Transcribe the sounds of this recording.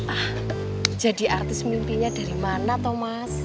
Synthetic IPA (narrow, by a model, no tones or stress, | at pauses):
ʔah | d̥ʒ̥ä̤di̤ʔart̪ɪsmimpiɲad̥a̤ɾimanat̪omas